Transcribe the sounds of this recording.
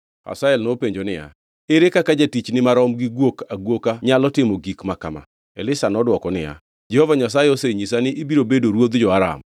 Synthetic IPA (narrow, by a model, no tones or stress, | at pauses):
ha̰saɛlnopeɲd͡ʒonɪja̰ | eɾekakad͡ʒatit͡ʃnɪmaɾɔmɡiɡwokaɡwokaɲalɔtɪmɔɡikmakama̰ | ɛ̰lɪsanɔdwɔkɔnɪ̰ja̰ | d͡ʒɛhovaɲas̬ajeoseɲisanɪʔibiɾobedoɾwod̪d͡ʒɔaɾa̰m